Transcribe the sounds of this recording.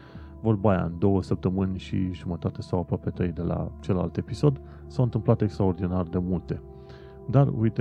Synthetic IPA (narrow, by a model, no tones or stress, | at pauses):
vorbaja̰nd̪o̞wəsəp̚t̪əmɨnʲʃḭʒumət̪at̪esawapɾoapet̪ɾe̞jd̪e̞la̰t͡ʃe̞la̰lt̪e̞piso̞d̪ | sawɨnt̪ɨmplat̪e̞kst̪ɾao̞rd̪inard̪e̞mult̪e̞ | d̪arṵjt̪